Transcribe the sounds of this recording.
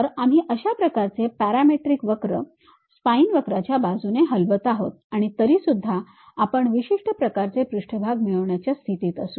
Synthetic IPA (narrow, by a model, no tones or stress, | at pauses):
əɾam̤iːʔəɕapɾəkaɾt͡sepæɾameʈɾikʋəkɾə̰ | spainʋəkɾat͡ɕjabad͡zʱuneɦəlʋət̪aɦot̪̚aɽ̃it̪əɾiːsud̪ʱːaː | pəɳʋiɕiʂʈəpɾəkaɾt͡sepɾuʂʈʰəbʱaɡmiɭəʋɳjat͡ɕjast̪ʰit̪iːt̪əsuː